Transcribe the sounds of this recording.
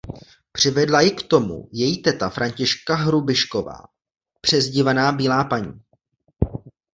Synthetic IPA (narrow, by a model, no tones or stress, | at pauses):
pr̝̥ɪvɛdlajɪkt̪o̞mṵjɛjiːt̪ɛt̪afɾʔaɲcɪʃkaɦɾubɪʃko̞va̰ː | pr̝̥ɛzɟɪvanaːbiːlaːpaɲiː